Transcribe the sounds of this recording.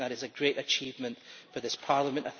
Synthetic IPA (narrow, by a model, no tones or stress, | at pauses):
ðəɾɪzɨɡɹeʔɨt͡ʃʰivmə̃nfə˞ðɪspʰaɹlˠəmə̃nʔaθ